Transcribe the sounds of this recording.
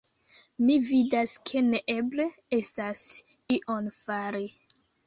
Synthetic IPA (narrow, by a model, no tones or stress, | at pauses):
mividaskʰe̞neʔe̞ble̞e̞stas | iʔonfaɾi